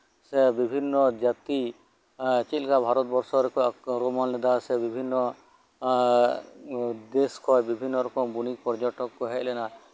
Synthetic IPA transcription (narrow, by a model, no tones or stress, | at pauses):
sɛbibʱinːɔd͡ʒat̪i | t͡ʃit̪lkabʱaɾɔt̪̚bɔɾsɔɾɛkɔɾɔmɔnlɛd̪asɛbibʱinːɔ | d̪eskʰɔjbibʱinːɔɾɔkɔmbunik̚pɔɾd͡ʒɔʈɔkkɔɦɛʔlɛna